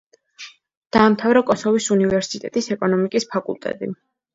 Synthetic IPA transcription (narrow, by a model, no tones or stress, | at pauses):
d̪̥aːmt̪ʰavɾakʼɔsɔvisunivɛɾsit̪ʼɛt̪ʼisɛkʼɔnɔmikʼispʰakʼṵlˠt̪ʼɛ̰t̪ʼḭ